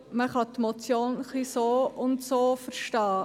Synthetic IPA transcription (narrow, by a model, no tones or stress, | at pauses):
məχɑtmot͡sjoːnχlisoːʊntsoːfəɾʃtɑː